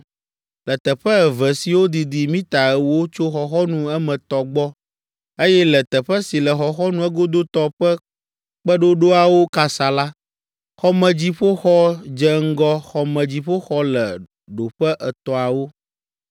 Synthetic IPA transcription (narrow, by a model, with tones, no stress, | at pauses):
lɛ˨t̪ɛ˨ɸə˦ɛ˨vɛ˨si˨wo˦d̪i˨d̪i˨mĩ˦t̪a˨ɛ˨wo˦t͡ʃo˦xɔ˨xɔ˦nũ˨ɛ˦mɛ̃˨t̪ɔ˨ɡ͡bɔ˦ | e˦jɛ˦lɛ˨t̪ɛ˨ɸɛ˦si˨lɛ˨xɔ˨xɔ˦nũ˦ɛ˦ɡo˦d̪o˦t̪ɔ˨ɸɛ˦ | k͡pə˦ɖo˦ɖo˦a˨wo˦ka˨sa˨la˦ | xɔ˦mɛ̃˨d͡ʑi˦ɸo˦xɔ˦d͡ʒɛ˦ŋ̩˦ɡɔ˦xɔ˨mɛ̃˨d͡ʑi˦ɸo˦xɔ˦lɛ˨ | ɖo˨ɸɛ˦ʔɛ˨t̪ɔ˨a˨wo˦